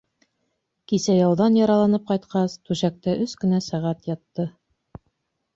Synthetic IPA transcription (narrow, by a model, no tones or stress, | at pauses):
kisæjɑwðɑnjɑɾɑlˠɑnɤp̚qɑjt̪qɑst̪ʉɕæk̚t̪æʔɵskɘ̆næsæʁæt̪jɑt̪ːɤ